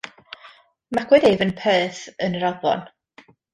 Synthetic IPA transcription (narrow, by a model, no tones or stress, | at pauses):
makʰwɛdejvənpʰɛːθənəɾavɔ̰n